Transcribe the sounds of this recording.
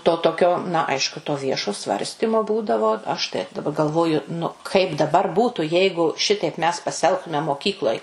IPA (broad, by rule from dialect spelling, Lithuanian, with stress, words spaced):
toː toːˈkʲoː nɐ ˈɐɪʃkʊ toː ˈʋʲiɛʃoː ˈsʋɐrʲsʲtʲɪmoː ˈbuːdɐʋoː ˈɐʃ tɐɪ dɐˈbɐ ɡɐlˠˈʋoːjʊ nʊ ˈkɐɪp dɐˈbɐr ˈbuːtʊ ˈjɛɪɡʊ ˈʃʲɪtɐɪp mʲɛs pɐsʲɪˈɛlˠktʊmʲɛ moːˈkʲiːklˠoːj